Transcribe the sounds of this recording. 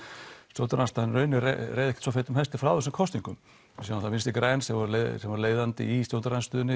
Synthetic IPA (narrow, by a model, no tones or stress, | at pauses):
st̪jow̪t̪ɾanst̪anrœːɥnʏ̰rejðɛhkt̪sɔfejt̪ʏmhɛlst̪ɪfɾawðʏsʏkʰɔst̪niŋkʏm | saanθamɪnst̪ɪkɾɛnsɛmvɔɾlesɛmvaɾleːjðant̪ɪ̰ist̪jow̪t̪ɾanst̪ʏːðʏnɪ